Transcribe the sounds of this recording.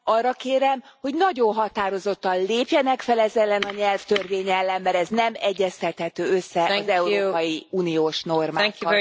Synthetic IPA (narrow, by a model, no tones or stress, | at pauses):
ɒrːɒkeːɾɛm | ho̞ɟnɒɟo̞nɦɒt̪aːɾo̞zo̞t̪ːɒnleːpjɛnɛkfɛlɛzɛlːɛnɒɲɛlft̪ørveːɲɛlːɛmːɛɾɛznɛmɛɟːɛst̪ɛt̪hɛt̪øːø̞sːɛɒzɛuɾoːpɒjiuːnijoːʃno̞rmaːkː